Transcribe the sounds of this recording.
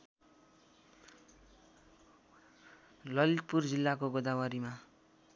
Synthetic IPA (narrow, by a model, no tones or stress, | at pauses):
lʌlipurd͡zilːakoɡod̪awʌɾima